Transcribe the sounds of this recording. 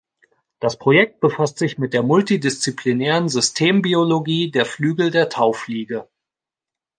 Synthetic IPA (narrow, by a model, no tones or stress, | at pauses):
d̥aspʁ̥ojɛk̚t̚b̥əfastz̥ɪçmɪt̚d̥eːɐmʊltidɪst͡sipʰlinɛːʁənzʏstʰeːmbioloɡiːdeːɐflyːɡl̩deːɐtʰaʊfliːɡə